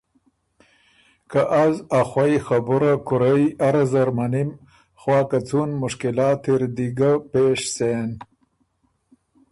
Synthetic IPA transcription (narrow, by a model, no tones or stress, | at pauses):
kaʔazaxwajxabuɾakʊɾajaɾazɐɾmanim | xwɑːkat͡sunmʊʂkilɑːt̪ʰiɾd̪iɡapeːʂsen